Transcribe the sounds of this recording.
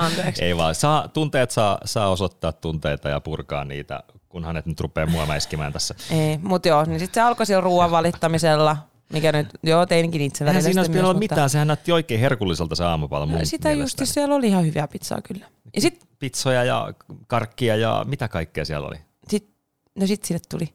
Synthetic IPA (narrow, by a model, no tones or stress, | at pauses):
ɑnt̪oekeiʋɑ̰ːsɑːt̪unt̪eːt̪sɑːsɑːosot̪ːɑːt̪t̪unt̪eit̪ɑjɑ̰purkɑ̰ːnnḭːt̪æ̰ | kunhɑnnet̪nyt̪rupeːmuɑmɑeskimæ̰ːnt̪æsːæeimut̪joːnisit̪seɑlkosilruːɑʋʋɑlit̪ːɑmiselːɑ | mikænyt̪joːt̪einŋkinit̪seʋælæilːiːnoisit̪æolːɑmit̪æːsehænnæyt̪ːioikeːherkulːiselt̪ɑseɑːmupɑ̰lmṵsit̪æjust̪issiælolihɑhyʋæpit̪sɑ̰ːkylːæ̥ | jɑsit̪ | pit̪sojɑjɑ̰kɑrkːiɑjɑ̰mit̪ækɑikːeɑsiælo̰lḭ | sit̪ | nosit̪sinːet̪t̪uli